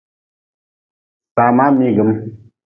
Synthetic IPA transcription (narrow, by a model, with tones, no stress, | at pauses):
sa˨ma˦mi˦ɡə˨˦m